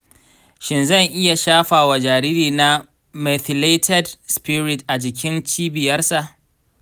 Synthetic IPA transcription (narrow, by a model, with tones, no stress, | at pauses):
ʃɪ˨nzɐ˦˨ŋʔɪ˦ja˨ʃaː˦ɸaː˨wa˨d͡ʒaː˨ɾiː˦ɾiː˨na˦ | mɛ˨θɪ˨le˦tʰɛ˦dspɪ˦ɾɪ˨tʔa˨d͡ʒɪ˨k̬ʲɪ˦nt͡ʃiː˦bɪ˨jɐ˦rsa˨ʔ